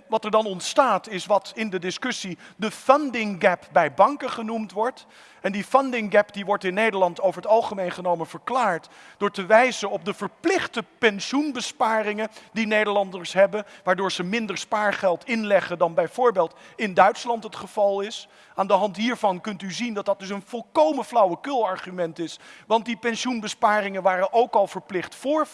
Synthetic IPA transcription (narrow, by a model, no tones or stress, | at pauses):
ʋɑtɛɹdɑnɔntstaːtɪsʋɑtɪndədɪskɵsidəfndɪŋɡɛpbɛjbɑŋkəχənumtʋɔɹt | ɛndifɑndɪŋɡɛpdiʋɔɹtɪnːejdəɹlɑntowvəɹɦətɑlˠχəmejnχənowmənv̥əɹklaːɹtd̥ʊːɹtəʋɛjzənɔb̚dəvəɹplɪχtəpɛnʃunbəspaːrɪŋəndinejdəɹlɑndəɹsɦɛbənʋaːɹdʊːɹz̥əmɪndəɹspaːɹχɛlˠtɪnlɛχədɑnbɛjvʊːɹbeːlˠtɪndœɥtslɑntɦətχəv̥ɑlˠɪs | aːndəɦɑntɦiːɹvɑnkɵntyzindɑt̚dɑt̚dɵs̬ənv̥ɔlˠkowmənflʌwəkʏlˠɑɹχymɛntɪsʋɑnt̚dipɛnʃunbəspaːɾɪŋənʋaːrənʔowkɑlˠvəɹplɪχtfʊːɹ